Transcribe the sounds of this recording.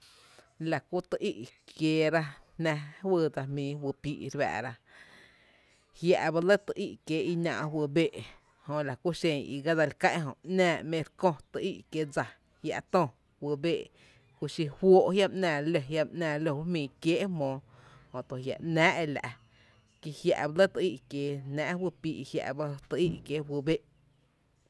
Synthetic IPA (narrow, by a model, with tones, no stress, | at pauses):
la˨ku˦t̪ə˧ʔi˦ʔkʰjeː˨˧ɾa˦nã˧wə˧˨d͡za˧mĩː˨wɨ˧pḭː˧ʔɾβa̰ː˧˨ɾa˦ | hja̰˧ʔba˧lə˦t̪ə˧ʔi˦˧ʔkjeː˨˧ʔi˧nã̰˧ʔwɨ˧˨beː˦˨ʔ | hõ˧la˨ku˦ʃẽ˧˨ɲḭ˧ɡa˦d͡za˧lkã˦ʔɦõ˧˨ʔnãː˧˨mẽ˧ɾkõ˧t̪ə˧ʔi˦ʔkje˧˨d͡za˧ | hja̰˧ʔt̪õ˧˨ | wə˧beː˧˨ | ku˧ʃi˧hwoː˦ʔhja˦mʔnãː˨lo˧ɦja˧mʔnãː˧˨lo˧wu˦mĩː˨kjeː˦ʔmɔ̃ː˨˧ | hõ˧˨t̪o˨ɦja̰˨ʔnãː˦ʔe˧la̰˨ʔ | ki˧hja̰˧ʔba˧˦lə˦t̪ə˧i˦˨ʔkjeː˨nãː˦ʔwɨ˧piː˧ʔhja̰˧ʔba˦t̪ə˧ʔi˦˧ʔkje˨wɨ˧be˦ʔ